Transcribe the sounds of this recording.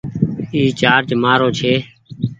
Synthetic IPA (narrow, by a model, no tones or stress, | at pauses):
iːt͡ʃaːɾd͡ʒmaːɾoːt͡ʃʰeː